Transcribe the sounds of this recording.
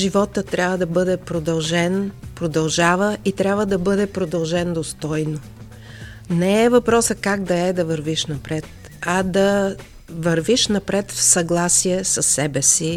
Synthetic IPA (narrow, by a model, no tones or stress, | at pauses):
ʒivɔt̪ət̪ɾʲabvəd̪ɐbɤd̪ɛpɾod̪ɐlˠʒɛnpɾod̪ɐlˠʒavəʔit̪ɾʲabvəd̪ɐbɤd̪ɛpɾod̪ɐlˠʒɛnd̪ost̪ɔjno | nɛɛvɐpɾɔsəkaɡd̪ɐɛd̪ɐvəɾviʃnɐpɾɛt̪̚ | ɐd̪ɐ | vɐɾviʃnɐpɾɛt̪fsɐɡlˠasiɛsəsːɛbɛsi